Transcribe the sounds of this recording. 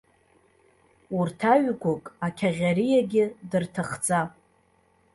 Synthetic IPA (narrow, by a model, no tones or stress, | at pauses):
urtʰaɥkʷʊkʼakʲʰaʁʲaɾijaɡʲɪdɨrtʰaχd͡zʼa